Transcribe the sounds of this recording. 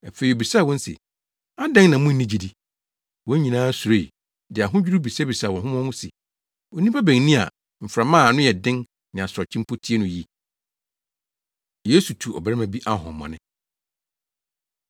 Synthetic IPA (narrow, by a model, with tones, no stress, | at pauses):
a˨fe˨i˨o˨bi˨sa˦˨wɔ̃˦n̩˦sḛ˨ | a˦dɛ̃˦ŋnã˨mʊ̃˦nː˦nĩ˦d͡ʑi˨di˨ | wɔ̃˦ɲĩ˨nãː˦su˨ɾe˦˨ | dɪ˨a˨ɦʊ̃˦d͡ʑᶣu˦ɾu˦bi˨sɛ˦bi˨sa˦˨wɔ̃˨ɦʊ̃˦m˦ɔ̃˦mʊ̃˦se˨ | ɔ˨nĩ˦pa˦bæ̃˨ŋnĩ˦a̰˨ | m̩˨fɾa˨mãː˦˨a˨nʊ̃˦jɛ˨dɪ̃˦ŋ | nɪ̃˨a˨sɔ˨t͡ɕʰĩ˦m˦pʰo˦tʰi˦e˦nʊ̃˨ji˦ | jeː˦su˨tʰu˨ɔ̰˨bæ˦ɾɛ˦mã˨bi˦ʔa˦˨ɦɔ̰̃˨mːɔ̰̃˨nɪ̃˦